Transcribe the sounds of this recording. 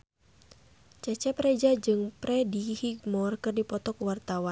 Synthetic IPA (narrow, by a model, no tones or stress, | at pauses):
t͡ʃɛt͡ʃɛpɾɛd͡ʒad͡ʒɨŋpɾɛdihiɡmɔrkɨrdipɔt̪ɔkuwart̪awan